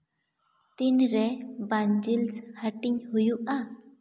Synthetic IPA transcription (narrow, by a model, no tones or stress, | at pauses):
t̪inɾɛband͡ʒilshəʈiɲhujuʔa